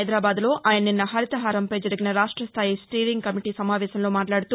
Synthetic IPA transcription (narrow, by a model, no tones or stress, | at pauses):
jd̪ɾaːbaːd̪lo̞ːʔaːjɐnɐninːɐɦɐɾit̪ɐɦaːɾɐmpɐjd͡ʒɐɾiɡinɐɾaːʂʈɾɐst̪ʰaːjisʈiːliŋɡ̚kɐmiʈiːsɐmaːʋɛːʃɐmlo̞ːmaːʈlaːɽut̪uː